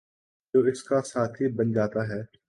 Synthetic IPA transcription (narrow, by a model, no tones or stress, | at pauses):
d͡ʒoːɪskasaːt̪ʰɦibɐnd͡ʒaːt̪aɦɛː